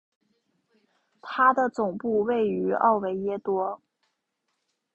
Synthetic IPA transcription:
t̪ʰa˥d̪ə˨t͡sʊ˨˩ŋpu˥˧we˥˩ɪy˧˥ʔɑ̰˥˩ʊwe˧˥ɪjɛ˥t̪wɔ˥

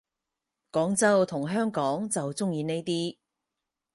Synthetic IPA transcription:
kɔː˨˥ŋt͡sɐ˥wt̪ʰʊ˨˩ŋɦœː˥ŋkɔː˨˥ŋt͡sɐ˨wt͡sʊ˥ŋjiː˨˧ne˥jt̪iː˥

